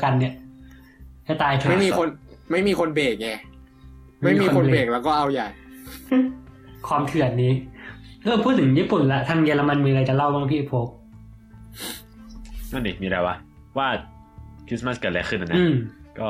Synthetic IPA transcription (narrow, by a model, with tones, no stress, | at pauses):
ka˧nːi˧˩ɐ | t͡ɕa˧˩t̪aː˧jt̪ʰːmiː˧kʰo˧nma˥˩jmiː˧kʰo˧nbeː˨˩k̚ɲɛː˧˩ | a˥˩a˥˩iː˧˨˧ikːo˧xo˧nebeː˨˩k̚lɛː˦˧˥wkɔː˥˩ʔa˧wja˨˩j | kʰwaː˧mt̪ʰɯ˨˩˨t̪̚niː˦˥ | ʔɤː˧pʰuː˥˩t̪̚ʰɯ˩˦ŋjiː˥˩pu˨˩nla˦˥t̪ʰa˧˩ŋjeː˧la˧ma˧nmiː˧ɾa˧jt͡ɕa˨˩la˥˩wa˥˩ŋpʰiː˥˨e˧˩pʰoː˧˦˥k̚ | ŋa˧˩ni˧˩miː˧da˧˩wa˦˥ | waː˥˩ | kʰɾi˧˦˥sma˦˥skaː˨˩lɛ˦˥kʰɯ˥˩ʔa˨˩na˦ɯː˥˦˧mkɔː˥˩